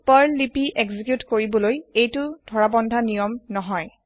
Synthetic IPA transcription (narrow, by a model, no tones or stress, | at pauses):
paɹlipiʔeɡzikjutkoɹibɔlojejtʊdʱɔɹabɔndʱanijɔmnɔɦɔj